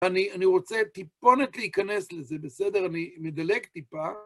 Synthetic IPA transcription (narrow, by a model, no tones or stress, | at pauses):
anianiʁo̞t͡set̪ipo̞netleikane̞slezebesede̞ʁanimed̪aleɡtipa